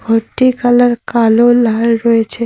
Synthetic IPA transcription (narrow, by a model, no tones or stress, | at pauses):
ɡʱɔʈːikalaɾkalolaɾɾɔet͡ʃʰe